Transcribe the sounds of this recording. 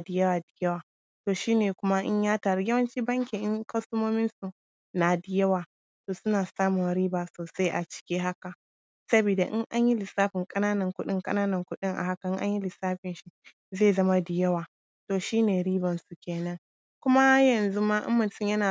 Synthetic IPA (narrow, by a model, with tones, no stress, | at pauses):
a˨dɪ˨jɐ˦waː˨dɪ˨jɐ˦waː˨ | toː˨ʃiː˦neː˨kʷʊ˦ma˦ʔɪ̰˦ɲjaː˦taː˨ɾi˨jɐ˦wɐ˦nt͡ʃiː˦bɐ˦ŋkʲi˨ʔɪ˦ŋkɐ˦sʊ˦moː˦mɪ˦nsu˨ | na˨dɪ˨jɐ˦waː˨ | toː˨sʊ˦naː˨saː˦mʊ˨nɾiː˦baː˨soː˨sa˦jʔa̰˨t͡ʃɪ̥˦kʲiː˦ɦa˦ka˨ | sɐ˦biː˨da˨ʔɪ˦ŋʔa˦ɲji˦lɪ˨saː˦ɸɪ˨ŋkʼɐ˦naː˦nɐ˨ŋkʷʊ˦ɗɪ˦ŋkʼɐ̰˦naː˦nɐ˨ŋkʷʊ˦ɗɪ˦ŋʔa̰˨ɦa˦ka˨ʔɪ˦ŋʔa˦ɲji˦lɪ˨saː˦ɸɪ˨nʃi˦ | zeː˦˨zɐ˦ma˦dɪ˨jɐ˦waː˨ | toː˨ʃiː˦neː˨ɾiː˦bɐ˨nsu˨kʲeː˨nɐ˦ŋ | kʷʊ˦ma˦ha˦jɐ˨nzu˦ma˦ʔɪ̰˦mːʊ˨ntɪ˦˨ɲjɐ˦naː˨